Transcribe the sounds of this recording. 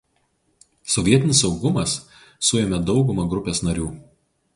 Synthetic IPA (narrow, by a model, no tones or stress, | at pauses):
sɔʋʲiɛt̪ʲɪnʲɪsɒʊɡʊmɐsː | ʊjɛmʲɛd̪ɒʊɡʊmɐɡɾʊpʲeːsnɐɾʲuː